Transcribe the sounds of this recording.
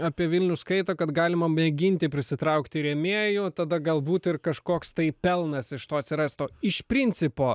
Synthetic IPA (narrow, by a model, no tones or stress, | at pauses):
ɑːpʲiɛʋʲɪlʲnʲʊskɐɪt̪oːkɐt̪ɡɑːlʲɪmɐnʲɛɡʲɪnʲt̪ʲɪpʲɾʲɪsʲɪt̪ɾɐʊkt̪ʲɪɾʲɛmʲeːjʊt̪ɐd̪ɐɡɐlˠbuːt̪ɪrkɐʃkoːkst̪ɐɪpʲɛlˠnɐsɪʃt̪oːɐt̪ʲsʲɪɾɐst̪oːɪʃpʲɾʲɪnʲt͡ssʲɪpoː